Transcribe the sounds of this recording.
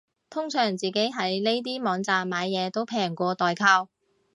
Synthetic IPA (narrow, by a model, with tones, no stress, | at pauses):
t̪ʰʊ˥ŋsœː˨˩ŋt͡siː˨˩ke˨˥jɦɐ˨˥jne˥jt̪̬iː˥mɔː˨˧ŋt͡saː˨mːaː˨˧jːɛː˨˧t̪o˥wpʰɛː˨˩ŋkʷɔː˧t̪ɔː˨jkʰaː˧w